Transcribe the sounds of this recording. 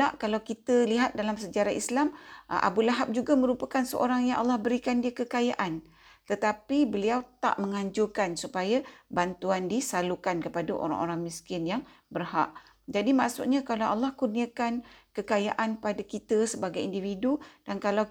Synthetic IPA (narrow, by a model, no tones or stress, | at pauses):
laʔkalawkit̪əliɦat̪̚dalamsəd͡ʒaɾaislamʔa̰bulaɦap̚d͡ʒuɡamə̃ɾupakansəʔo̰ɾaŋjaŋʔa̰lːɑhbəɾikandiəkəkajaʔan | t̪ət̪apibəliawt̪a̰ʔməŋaɲd͡ʒʊkansupajabant̪uandisalukankəpadaʔo̰ɾa̰ŋʔo̰ɾaŋmĩskɪnjaŋ | bərha̰ʔ | d͡ʒadimaʔsṵt̪̚ɲakalawʔalːahkurniakankəkaja̰ʔanpadakit̪əsəbaɡajindividud̥ankalaw